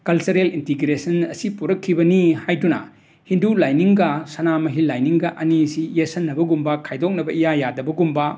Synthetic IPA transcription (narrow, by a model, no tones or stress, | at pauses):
kɐlt͡ʃɐɾelintiɡɾesɐnɐsipuɾɐkʰːibɐnihajdunɐ̰ | hindulajniŋɡɐsɐnamɐɦilajniŋɡɐʔɐnisijesɐnːɐbɐɡumbɐkʰajdok̚nɐbɐijajadɐbɐɡumbɐ